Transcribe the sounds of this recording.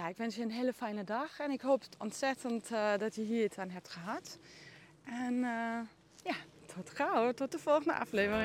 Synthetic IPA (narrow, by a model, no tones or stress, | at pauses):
jaɪkʋɛnsjəənɦeːləfɛjnədɑxɛnɪkɦoːpɔntsɛtəntdɔtjəɦiːətanɦɛp̚txəɦat | ʔɛn | jatʰɔtkrawətɔt̚dəfɔlˠxəndə̰ʔa̰fleːvərɪŋ